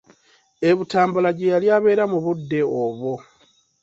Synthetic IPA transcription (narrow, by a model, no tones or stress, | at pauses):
e̞βutaːmbalaɟejaljaːβe̞ːɾamuβudːe̞oβo̞